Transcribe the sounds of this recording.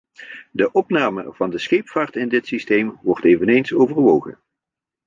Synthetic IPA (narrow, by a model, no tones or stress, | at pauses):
dəʔɔpnaːmə̰v̥ɑndəsχejpfaːɹtɪndɪtsistejmʋɔɹtejvənejnsowvəɹʋowχə̰n